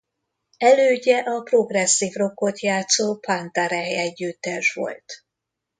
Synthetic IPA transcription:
ɛløːɟɛʔɒpro̞ɡrɛsːiːvro̞kːo̞t̪jaːt̪soːpant̪aɾɛɛɟːyt̪ːɛʃʋo̞̰lt̪

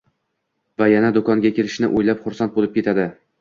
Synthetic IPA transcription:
vajanad̪okɒŋɡʲakʲe̞lɪʃnɪ̰ʔojlapχʊɾsant̪̚bolɪp̚kʲe̞t̪ʰad̪ɪ

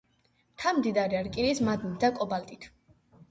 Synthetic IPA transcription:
t̪ʰamd̪id̪aɾiaɾkʼinismad̪mid̪akʼɔbalt̪ʼit̪ʰ

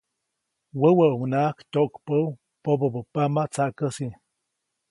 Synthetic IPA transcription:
wəwəʔunakt̪ʲoʔkpəw | pobəbəpamat͡saʔkəsi

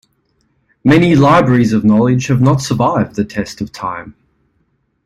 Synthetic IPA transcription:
mɛnilaɪbɹɛɹizəvnɒlˠɪ̥d͡ʒ̥həvnətsəvaɪvðɨtʰɛstəv̥tʰãɪ̃m

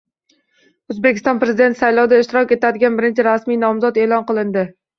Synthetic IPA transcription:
ozbekʲɪst̪ɒnpɾe̞zɪd̪et̪sajlɒwd̪aɪʃt̪ɪɾɒkʲe̞t̪ʰad̪ɪɡʲanbɪɾɪnt͡ʃʰɪɾasmijnɒmzɒd̪e̞ːlˠɒnqɨlˠɪnd̪ɪ

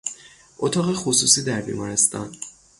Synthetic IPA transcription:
ʔot̪ʰɒːɣexosusiːd̪æɾbḭːmɒːɾest̪ɒ̰n

